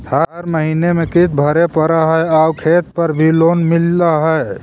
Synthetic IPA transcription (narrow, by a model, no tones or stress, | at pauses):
həɾməɦinemekit̪̚bʱəɾepəɾaɦəjaukʰet̪̚pəɾbʱilonmilːaɦəj